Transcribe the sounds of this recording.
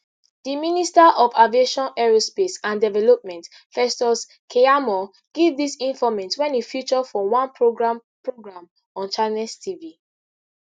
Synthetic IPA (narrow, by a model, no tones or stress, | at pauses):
diministaʔɔvavieʃɔ̃nɛɹospesãndɛvɛlɔp̚mɛ̃nt | fɛstɔs | kʰeamɔ | ɡ̥evdisĩnfɔmɛ̃ntwɛ̃nifjut͡ʃɔfɔwãnpʰɹoɡɹãmpɹoɡɹãm | ɔ̃nt͡ʃanɛstʰivi